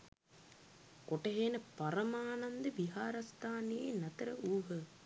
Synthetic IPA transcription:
koʈəɦenəpaɾɐmaːnand̪əʋiɦaːɾast̪ʰaːnejenɐt̪əɾəʔuːɦə

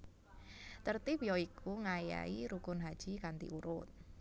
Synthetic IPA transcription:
t̪ərt̪ipjɔikʰuŋaja̰iɾukʊnɦad̥ʒ̥ikant̪ḭʔuɾʊ̰t̪̚

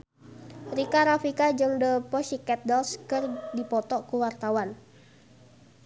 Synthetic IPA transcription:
rikaɾafikad͡ʒɨŋdəpɔsikɛt̪̚dɔlskɨrdipɔt̪ɔkuwart̪awan

